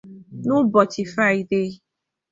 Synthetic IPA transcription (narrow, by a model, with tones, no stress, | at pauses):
nʊ˦bɔ˨t͡ʃi˨fa˦˨i˨de˦